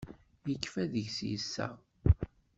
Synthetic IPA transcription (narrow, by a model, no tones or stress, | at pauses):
jəkːfæðəʝsjəsːæ̰